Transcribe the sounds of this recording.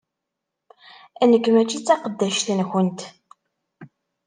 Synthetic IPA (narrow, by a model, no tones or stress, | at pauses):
ænəkːmæt͡ʃːit͡sːæqəd̪ːæʃθnxənt̪